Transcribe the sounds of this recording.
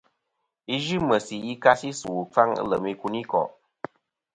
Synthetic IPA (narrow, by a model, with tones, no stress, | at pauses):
i˦ʒɨ˦mə˨si˨i˦ka˦si˦su˨fa˦ŋ̰˦lə˨mi˧ku˧ni˦kɔ̰˨ʔ